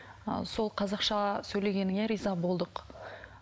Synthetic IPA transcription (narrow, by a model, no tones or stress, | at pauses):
so̞lˠqʰɑzɑqʃɑsɵjle̞ɡʲe̞nɪŋe̞ɾijzɑbo̞lˠd̪əq